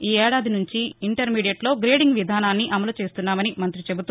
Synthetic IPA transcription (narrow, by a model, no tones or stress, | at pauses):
iːɛːɽaːd̪inuɲt͡ʃiiɳʈɐɾmiːɽijɐʈloːɡɾeːɖiŋɡʋid̪ʱaːnaːnːiʔɐmɐlut͡ʃe̞ːst̪unːaːmɐnimɐnt̪ɾit͡ʃe̞but̪u